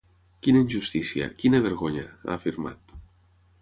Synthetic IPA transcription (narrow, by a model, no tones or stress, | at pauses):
kinaiɲʲʒust̪isja̰kinaβeɾɣoɲaa̰ːfiɾma̰t̪